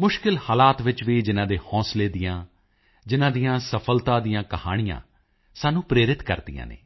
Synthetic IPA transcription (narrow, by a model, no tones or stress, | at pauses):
mʊʃkɪlhaːlaːt̪ʋɪt͡ʃʋiːd͡ʒɪnãːd̪eːhɔ̃ːsleːd̪ɪjãː | d͡ʒɪnãːd̪ijãːsəpʰəlt̪ãːd̪ijãːkəhaːɽ̃ɪjã̰ː | saːnũːpɾeːɾɪt̪kə̰ɾd̪ijã̰ːnḛː